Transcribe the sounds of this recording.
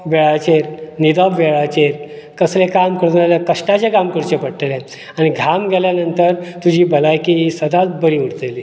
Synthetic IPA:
ʋɛɭat͡ɕeɾnid̪ɔbʋeɭat͡ɕeɾ | kəslekamkəɽnalakəɕʈat͡ɕekamkəɾt͡ɕepəɽʈelẽ | aɽ̃iɡʱamɡʱɛljanənt̪əɾt̪ud͡ʑʱiːbəlajkiisəd̪ʱat̪bəɾiuɽt̪eli

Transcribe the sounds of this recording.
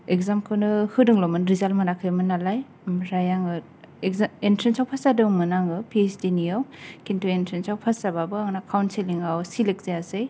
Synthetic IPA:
ekzamkʰɯnɯhɯdɯŋlɔmɯnɾizalmɯnakʰɯjmɯnalaj | mɾajaŋɯ | entʰɾensawpʰasadɯwmɯnaŋɯpʰiesdinijawkintʰuentʰɾensawpʰasababɯaŋnakʰawnseliŋawsilek̚zeasej

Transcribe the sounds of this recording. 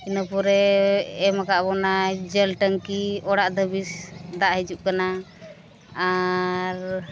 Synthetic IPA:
inəpɔɾɛː | makaʔbɔnad͡ʒəlʈəŋkiɔɽaʔd̪əbisd̪aʔɦid͡ʒuʔ̚kana | aɾ

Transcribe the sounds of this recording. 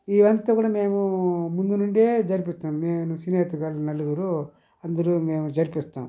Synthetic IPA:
iːʋɐnt̪ɐkuːɽɐmeːmumund̪unuɳɖeːd͡ʒɐɾipist̪aːmmeːnusineːt̪ukaːlunɐlːuɡ̪uɾu | ɐnd̪ɐɾumeːmud͡ʒɐɾpist̪a̰ːm

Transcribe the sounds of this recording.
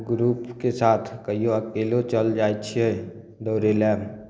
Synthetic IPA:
ɡɾupkesat̪ʰkəɦijoəkelot͡ʃəld͡ʒajtt͡ʃʰie | d̪əʊɾelɛm

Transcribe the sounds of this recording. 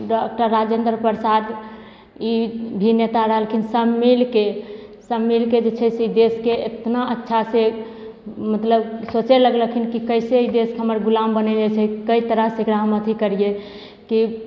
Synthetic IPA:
ɖɔk̚ʈəɾːad͡ʒend̪ɾəpəɾsad̪ | ibʱinet̪aɾəɦəlkʰinsəmːilkesəmːilked͡ʒet͡ʃʰɛseid̪eskeet̪naʔətːʃʰase | mət̪ləbsot͡ʃeləɡləkʰinkikəjseid̪eskeɦəməɾɡulambənɛlet͡ʃʰɛkəit̪əɾəɦsekɾaɦəmət̪ʰikəɾije | ki

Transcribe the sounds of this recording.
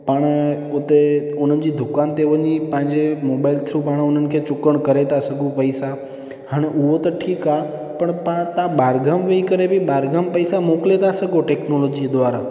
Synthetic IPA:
pəɽ̃ | ʊt̪e | ʊn̤ənɪ̆d͡ʑiːd̪ʱʊkant̪eʋəɲipə̃ɦɪ̃ɲd͡ʑemobaːɪlt̪ʰɾupaɽ̃ʊnənɪ̆kʰet͡ɕʊkəɽ̃kəɾet̪asəɡũpəɪsa | haːɽ̃eʔʊɦot̪ɐʈʰiːka | pəɳpãt̪ãbaːɾɡʱəmʋeikəɾebʱɪbaːɾɡʱəmpəɪsamoklet̪ʰasəɡoʈeːknoloːd͡ʑid̪ʋaːɾa̰

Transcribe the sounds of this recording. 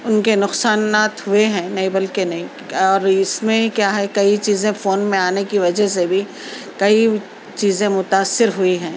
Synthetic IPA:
ʊnkenʊqsaːnːaːt̪ɦʊeɦɛ̃ːnɐĩbɐlkenɐɦĩ | ɔːɾɪsmẽkjaːɦɛkɐit͡ʃiːzẽfoːnmẽaːnekiʋɐd͡ʒəɦs̬ebʱi | kɐi | t͡ʃiːzẽmʊt̪aːsːɪɾɦʊiɦɛ̃ː

